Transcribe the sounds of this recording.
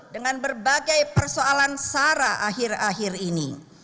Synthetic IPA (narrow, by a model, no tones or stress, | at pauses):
dəŋanbərbaɡajpərsoalansaɾaʔaɦɪraɦɪrinḭ